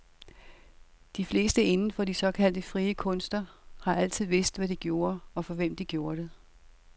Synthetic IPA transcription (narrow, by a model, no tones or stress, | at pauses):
d̥ifle̝̰ːsd̥əe̝nn̩fɒ̽d̥isɒ̽kʰæl̰d̥əfʁiːəkʰɔ̽n̰sd̥ɐhɑ̈æl̰t͡sʰið̞̰ˠʋe̝sd̥ʋæd̥iɡ̥jo̝ːɐɒ̽fɒ̽ʋem̰d̥iɡ̥jo̝ːɐɾ̥e